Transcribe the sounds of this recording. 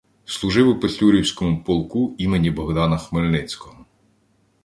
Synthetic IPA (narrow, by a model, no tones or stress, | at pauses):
slˠuʒɪwʊpɔsʲuɾʲiwsʲkɔmʊpɔlˠkuimenʲibɔɣd̪ɑnɐxmelʲnɪt͡sʲkɔɦɔ